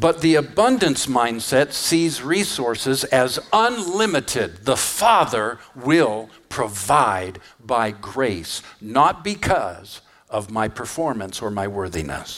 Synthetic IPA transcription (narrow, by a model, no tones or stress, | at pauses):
b̥ʌt̪̚ðiɨbʌ̃ndɨ̃nsmãɪ̃nd̥sɛtsizɹisɔɹsɨzɨzə̃nlɪ̃mɨɾɪd̪̚ðəfɑðə˞wɪlˠ | pʰɹ̥ɨvaɪd̚baɪɡɹeɪsnət̚b̥ɨkʰʌz | ʌvmaɪpʰə˞fɔɹmə̃nsə˞maɪwɜ˞ðḭnɨ̰s